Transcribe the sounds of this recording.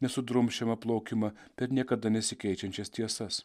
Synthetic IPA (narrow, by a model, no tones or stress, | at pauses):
nʲɛsʊd̪ɾʊmʲʃʲɛmɐplˠoʊkʲɪmɐ | pʲɛɾnʲiɛkɐd̪ɐnʲɛsʲɪkʲɛɪt͡ʃʲɛnʲt͡ʃʲɛst̪ʲiɛsɐs